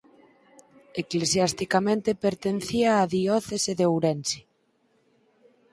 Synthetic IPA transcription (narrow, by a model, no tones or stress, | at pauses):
eklesjast̪ikamẽnt̪epeɾt̪enθiaːðiɔθeseðeowɾensi̥